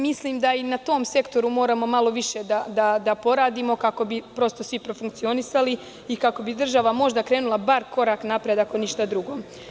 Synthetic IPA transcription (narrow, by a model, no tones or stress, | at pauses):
misliːmd̪ainat̪o̞ːmse̞kt̪o̞ɾumo̞ːɾamo̞malo̞ʋiʃe̞d̪ad̪ad̪apo̞ɾaːd̪imo̞kako̞bipɾo̞st̪o̞sʋipɾo̞fuŋk̚t̪sio̞nisali | ikako̞bid̪r̩ʒaʋamo̞ʒd̪akɾe̞ːnulˠabaɾko̞ɾaːknapɾed̪akoniʃt̪ad̪ɾuɡo̞ː